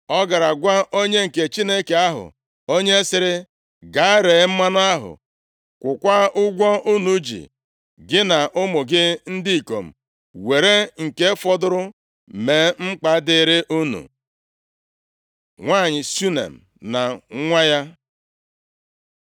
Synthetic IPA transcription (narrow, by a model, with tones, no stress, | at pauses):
ɔ˦ɡa˨ɾa˨ɡʷa˦o˦ɲe˦ŋ̩˨ke˨t͡ʃi˦ne˦ke˨a˦ɦʊ̰˨ | o˦ɲe˦sɪ˦ɾɪ˦ | ɡa˨˦ɾe˨˦m̩˦ma˦nʊ˦a˦ɦʊ̰˨ | kʷʊ˨kʷa˦ʔʊ˦ɡʷɔ˦ʔu˦nu˨˦d͡ʒḭ˨ | ɡɪ˦na˨ʔʊ˦mʊ˨ɡɪ˦n̩˦dɪ˦i˨ko̰˨m̩˨ | we˨ɾe˦ŋ̩˨ke˦fɔ˦dʊ˦ɾʊ˦ | me˨˦ŋ͡m̩˦k͡pa˨˦dɪ˨ɾɪ˦ʔu˦nṵ˨ | ŋʷa˦˨ɲɪ˨su˦nḛ˨m̩˨ | na˨˦ŋʷa˦ja˦